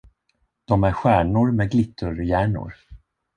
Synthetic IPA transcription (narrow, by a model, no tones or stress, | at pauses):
d̪̥ɔmæɾɧæːɳʊɾmɛɡlɪt̪ʰːɵɾjæːɳʊ̰ɾ